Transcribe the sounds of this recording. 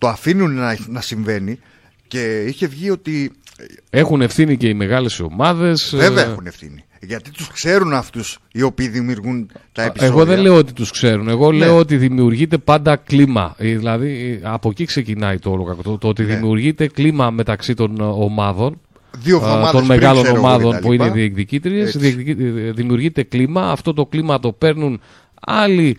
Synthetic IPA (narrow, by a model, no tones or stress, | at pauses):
t̪oɐfinunɐnɐsiɱve̞ni | ce̞içe̞vʝio̞t̪i | e̞xune̞fθinice̞ime̞ɣɐle̞sio̞̰mɐðe̞sveveɐexunefθḭni | ʝɐt̪it̪uskse̞ɾunɐft̪usio̞piːðimiuɾɣunt̪ɐeieɣoðenleoot̪it̪uskse̞ɾune̞ɣo̞le̞o̞ot̪̬iðimiuɾʝit̪e̞pɐnd̪ɐklimɐ̰ðilɐðiɐpo̞cikse̞cinɐit̪oolokɐkot̪ot̪ot̪iðimiuɾʝit̪e̞klimɐme̞t̪ɐksit̪o̞nomɐðo̞n | ðiooɐt̪onme̞ɣɐlo̞no̞mɐððo̞npuineðiekðicit̪ɾie̞szðieðimiuɾʝit̪e̞klimɐːft̪o̞t̪o̞klimɐt̪o̞pe̞ɾnun | ɐli